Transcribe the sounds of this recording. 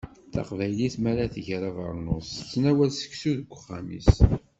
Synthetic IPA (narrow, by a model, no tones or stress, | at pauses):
θɑ̰qvæjliθmæɾaθəʝɾɑvə̰ɾˤnost͡sːnæwælsə̥ksuðəɡʷːχːamḭs